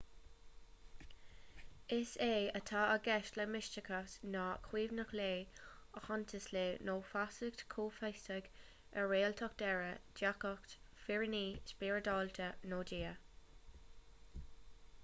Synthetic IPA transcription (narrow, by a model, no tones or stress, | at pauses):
ɪseːət̪ʰaːəɡɛʃləmɪst͡ʃəkʰasnaːkʰwiːvnəxleːəhɔnt̪ʰəsleːnoːfasəɡ̚tʰkʰuːfajstəɡ | əɹeːltʰɔk̚d̪̥ɛɹədakɔktfɪɹɪniːspɪɹədɑːlt̪ʰənoːdiːə